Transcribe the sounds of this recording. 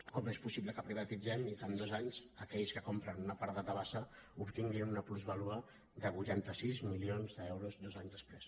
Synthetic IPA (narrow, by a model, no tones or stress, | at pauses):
kɔmespusiβləkəpɾiβət̪id͡zɛmitand̪ɔzaɲz̥əkɛʎskəkompɾənunəpaɾðəd̪əβ̞asəupt̪iŋɡinunəpluzβəluə | ðəβujt̪ant̪əsizmilionzðəɛwɾuzd̪ɔzaɲzðəspɾes